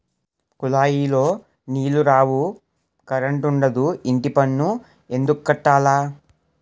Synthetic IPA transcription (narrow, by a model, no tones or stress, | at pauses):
kulaːjiːlo̞ː | niːluɾaːwu | kɐɾɐɳʈuɳɖɐd̪uiɳʈipɐnːu | e̞nd̪ukukːɐʈːaːlaː